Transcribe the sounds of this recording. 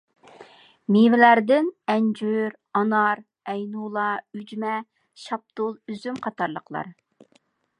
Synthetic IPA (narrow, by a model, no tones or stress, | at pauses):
mivɪlæɾd̪ɪnɛnd͡ʒyɾ | ɑnɑɾ | ɛjnulˠɑyd͡ʒmɛ | ʃɑp̚t̪ʊlˠyzymqʰɑt̪ɑɾlˠəqʰlˠɑ̰ɾ